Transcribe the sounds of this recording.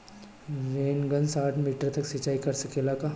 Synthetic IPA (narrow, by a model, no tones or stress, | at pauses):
ɾeːnɡənsaːʈʰmiːʈəɾt̪ɐksət͡ʃːaːikɐɾsɐkeːlakaː